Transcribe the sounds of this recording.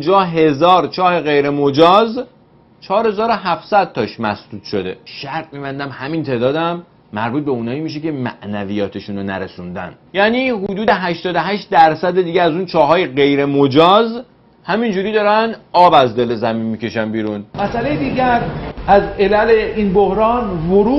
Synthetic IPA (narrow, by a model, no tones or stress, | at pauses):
und͡ʒɒːɦe̞zɒːɾt͡ʃʰɒːhe̞ɣe̞jɾe̞mod͡ʒɒːz | t͡ʃʰɒːɾhe̞zɒːɾo̞ɦæfsæd̪̥̚t̪ʰɒʃmæsd̪uːt̪ʃo̞d̪e̞ʃæɾt̪miːbænd̪æmhæmint̪ʰeːd̪ɒːd̪æmː | æɾbuːt̪̚be̞uːnɒːiːmiʃ̬ece̞mæʔnævijɒːt̪ʰeʃunonæɾesund̪æ̰n | jæːniːɦud̪uːd̪e̞ɦæʃt̪ɒːd̪oɦæʃt̪̚d̪æɾsæd̪ed̪iːɟeæzuːnt͡ʃʰɒːɦɒːjeɣe̞jɾe̞mod͡ʒɒːz | hæmind͡ʒuːɾiːd̪ɒːɾænɒːbæzd̪e̞lezæminmiːce̞ʃænbiːɾunmæsælejed̪iːɟæɾʔæzelæleʔiːnbohɾɒːnvoɾuː